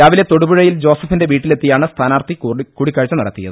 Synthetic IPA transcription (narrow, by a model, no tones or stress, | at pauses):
ɾaːʋile̞t̪o̞ɽubuɻɐjild͡ʑo̞ːsɐfinde̞ʋiːʈːile̞t̪ːijaːɳɨst̪ʰaːnaːrt̪ikuːɽikʲːɐɻt͡ɕːɐnɐɽɐ̰t̪ːijɐ̰ðɨ